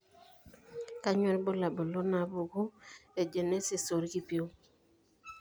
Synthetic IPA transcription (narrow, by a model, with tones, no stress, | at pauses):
ka˦ɲwɛ˦lbo˦la˨bo˨lo˦na˨bo˨ɡo˦e˨d͡ʒe˨ne˦se˨so˨ɾki˦pi˦o˦